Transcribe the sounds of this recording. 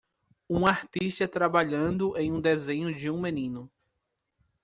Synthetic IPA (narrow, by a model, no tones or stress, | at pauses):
ũaɾt̪iʃt̪ɐt̪ɾabaʎɐ̃nd̪ʊʔẽj̃ũd̪ezẽɲʊd͡ʒɪũmenĩnʊ